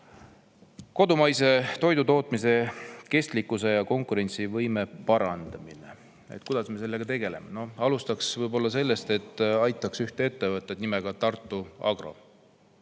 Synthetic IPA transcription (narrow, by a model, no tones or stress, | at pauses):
ko̞d̪umɑjse̞t̪o̞jd̪ut̪o̞ːt̪ˑmise̞ke̞st̪likːˑuse̞jɑko̞ŋkuɾe̞nʲt̪sivɤjme̞pɑɾɑnd̪̥ɑminḛ | ḛt̪kud̪̥ɑsme̞se̞lːeɡ̥ɑt̪e̞ɡ̥e̞le̞̰meno̞ɑlust̪ɑksvɤjbo̞lːɑse̞lːest̪e̞t̪ːˑɑjt̪ˑːɑksyht̪ee̞t̪ːe̞vɤt̪ːˑed̪nimeɡ̥ɑt̪ɑrt̪ːˑuɑ̰ɡro̞̰